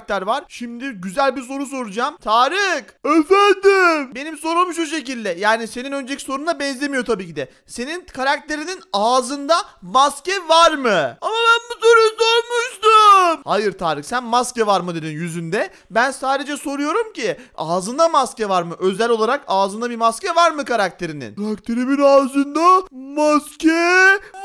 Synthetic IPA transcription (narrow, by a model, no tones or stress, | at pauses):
t̪æɾvaɾ̥ʃimd̪ɪɟyzælʲbiɾs̬o̞ɾus̬o̞ɾud͡ʒaːmt̪ʰaːɾɯxɛfænd̪ɪmbe̞nimso̞ɾumʃ̬uʃ̬e̞cilʲd̪ɛjaːnise̞ninø̞nd͡ʒelʲcʰi̥so̞ɾund̪abɛnzʲe̞mijo̞t̪ʰabiːcid̪ɛ | se̞ninkʰaɾak̚t̪ʰe̞ɾininaːzɯnd̪amascɛvaɾmɯamabænbusoɾusøɾmyʃt̪ɯmhajɯɾt̪ʰaːɾɯxsænmascɛvaɾmɯd̪ed̪injyzynd̪ɛ | bænsaːd̪e̞d͡ʒɛso̞ɾujo̞ɾumciaːzɯnd̪amascɛvaɾmɯʔø̞zælʲo̞lˠaɾakaːzɯnabimascɛvaɾmɯkaɾak̚t̪ʰe̞ɾinḭnɾakt̪ʰeɾiminaːzɯnd̪amascɛ